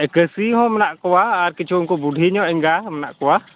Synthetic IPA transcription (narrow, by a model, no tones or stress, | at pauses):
ɛkəsiɦɔ̃mənaʔkuwaaɾkit͡ʃuŋkubudʱiɲɔʔɛŋɡamənaʔkuwa